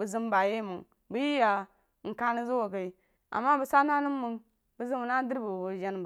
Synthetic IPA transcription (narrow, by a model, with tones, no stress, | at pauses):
bu˨zi˦mba˨je˦˨mu˨ŋ | bu˦ji˦ja˨ | ŋ̩˨ka˦ni˦zu˦wo˨ka˨i˦ | a̰˨mːa˦bu˨sa˦na˦nu˦mːu˦ŋ | bu˦zi˦bna˦di˦ɾbu˨wo˨d͡ʒa˦n˨b